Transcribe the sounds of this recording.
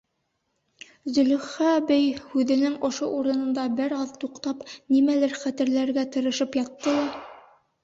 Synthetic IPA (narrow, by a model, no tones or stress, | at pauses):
zɵ̆lɵ̆χæbɘjhʉðɘ̆nɘŋŏʃoʔuɾɤ̆nɤ̆nd̪ɑbɘɾɑðt̪uqt̪ɑpnimælæɾχæt̪ɘ̆ɾlæɾɡæt̪ɤ̆ɾɤ̆ʃɤpjɑt̪ːɤlˠɑ